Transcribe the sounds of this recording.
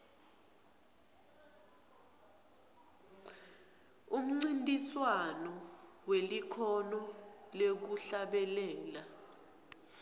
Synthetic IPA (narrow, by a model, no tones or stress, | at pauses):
um̩ŋ͡ǀintʼiswanɔwelikʰɔnɔlek̬uɬaɓɛlɛːla